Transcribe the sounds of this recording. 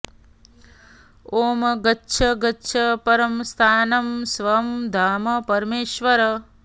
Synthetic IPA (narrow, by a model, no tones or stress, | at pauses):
oːmɐɡɐtːʃʰɐɡɐːʃʰɐpɐɾɐmst̪ʰaːnɐmsʋɐmd̪ʱaːmɐpɐɾmeːʃʋɐɾɐ